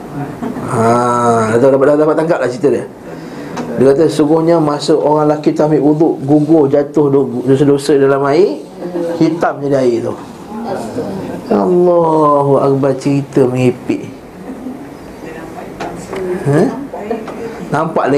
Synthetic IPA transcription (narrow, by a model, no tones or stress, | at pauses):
adat̪adapat̪̚dadapat̪ːaŋkaʔlaht͡ʃit̪ədəh | dəkat̪̬əsuɡʊhɲəmasəʔoɣaŋlakit̪amiʔuðʊʔɡuɡʊhd͡ʒat̪ʊhdosədosədalamai | hit̪amɲadiaiʔt̪oh | alːɔɦuak̚bar̚t͡ʃəɾit̪əməŋipḭʔ | hə | nampaʔla